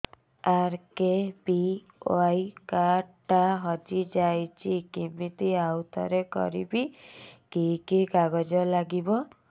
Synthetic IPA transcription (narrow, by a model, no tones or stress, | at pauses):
aɾkebi | o̰ajkaʈaɦɔd͡ʒid͡ʒajt͡ʃʰikimit̪iawt̪ʰɔ̰ɾekɔ̰ɾḭbikikikaɡɔd͡ʒɔlaɡibɔ